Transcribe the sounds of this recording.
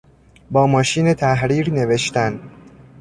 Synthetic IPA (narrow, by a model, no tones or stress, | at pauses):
bɒːmɒːʃiːnet̪ʰæɦɾiːɾne̞ve̞ʃt̪æn